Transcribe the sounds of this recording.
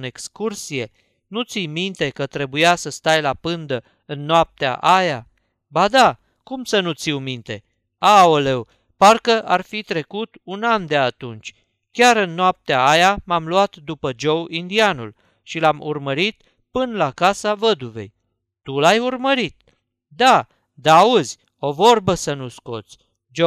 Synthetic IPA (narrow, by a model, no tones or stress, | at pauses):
ne̞kskursije̞ | nut̪sijmint̪e̞kət̪ɾe̞bujasəst̪ajlapɨnd̪ə | ɨnːoap̚t̪ea̰ʔaja | bad̪a | kumsənut̪siwmint̪e̞ | aole̞w | parkəʔarfit̪ɾe̞kut̪unand̪eat̪unt͡ʃʲ | kʲaɾɨnːoap̚t̪eaajamamluat̪d̪upəd͡ʒowind̪ianul | ʃilamṵrməɾit̪ | pɨnlakasavəd̪uve̞̰j | t̪ulajurməɾit̪̚ | d̪a | d̪aːuzʲ | o̞vo̞rbəsənusko̞̰t̪sʲ | d͡ʒo